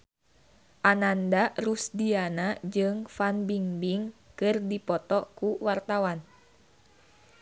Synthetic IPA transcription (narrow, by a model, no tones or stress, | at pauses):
ʔanandarusdianad͡ʒɨŋfanbiŋbiŋkɨrdipɔt̪ɔkuwart̪awan